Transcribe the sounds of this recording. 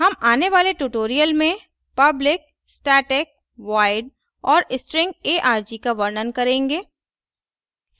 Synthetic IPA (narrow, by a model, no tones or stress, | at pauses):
ɦɐmaːneʋaːleʈuʈoːɾijəlmẽ | pɐblɪk̚ | sʈaːʈɪk̚ | ʋaːɪɖ | ɔːɾɪsʈɾɪ̃ŋɡeːʔaːɾd͡ʒikaʋɐɾnənkɐɾẽːŋɡeː